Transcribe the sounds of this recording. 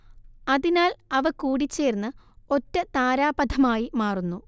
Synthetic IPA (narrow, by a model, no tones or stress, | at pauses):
ɐðinaːlɐʋɐkuːɽit͡ɕːeːɾnːɨ | o̞tːɐt̪aːɾaːbɐd̪ʱɐmaːjimaːrunːu